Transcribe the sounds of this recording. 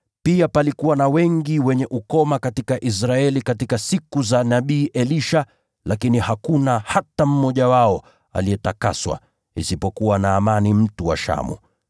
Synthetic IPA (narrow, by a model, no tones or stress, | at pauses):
piapalikuwanawɛŋɡiwɛɲɛʔukɔmakatikaʔis̬ɾaɛlikatikasikuzanaɓiːʔɛliʃa | lakinihakunahatam̩mɔʄawaɔ | a̰liɛtaka̰swa̰ | ḭsipɔkuwanaːmanim̩tuwa̰ʃa̰mṵ